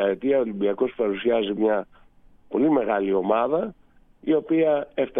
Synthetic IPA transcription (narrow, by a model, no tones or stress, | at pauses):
ɐet̪iɐolimbiɐko̞spɐɾusiɐzimɲɐ | po̞lime̞ɣɐlio̞mɐðɐ | io̞piɐeft̪ɐ